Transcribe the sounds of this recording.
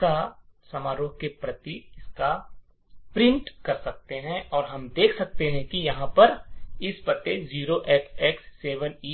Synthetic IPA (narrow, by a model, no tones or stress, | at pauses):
kasɐmaːɾoːɦkepɾɐt̪iɪska | pɾɪ̃ɳʈkɐɾsɐk̚t̪eɦɛ̃ʔɔːɾɦɐmd̪eːkʰsɐk̚t̪eɦɛ̃kijɐɦãpɐɾɪspɐt̪ːeziːɾoʔɛːksɛːksːeːʋəniː